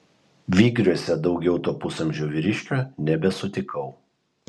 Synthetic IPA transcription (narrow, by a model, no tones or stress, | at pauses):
ʋʲiːɡɾʲuɔsʲɛd̪ɒʊɡʲɛʊt̪oːpʊsɐmʲʒʲoːʋʲɪɾʲɪʃʲkʲoːnʲɛbʲɛsʊt̪ʲɪkʰɐʊ